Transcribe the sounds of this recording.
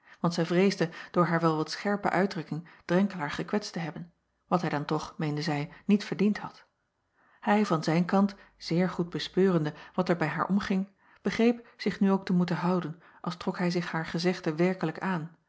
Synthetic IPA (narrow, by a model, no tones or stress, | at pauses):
ʋɑntsɛjvrejzdəd̥ʊːɹɦaːɹʋɛlˠʋɑtsχɛɹpə̰ʔœɥdrɵkɪŋd̥rɛŋkəlaːɹχəkʋɛtstəɦɛbən | ʋɑtɦɛjdɑntɔχmejndəzɛjnitfəɹdinthɑ̰t | hɛjvɑnzɛjnkɑnt | z̥ɪːɹχud̚bəspøːʁəndəʋɑtɛɹbɛjɦaːɹʔɔmχɪŋ | b̥əχrejpz̥ɪχnyowk̚təmutəɦɑwdən | ʔɑ̰lˠstrɔkɦɛjzɪχhaːɹχəzɪχtəʋɛɹkələkaːn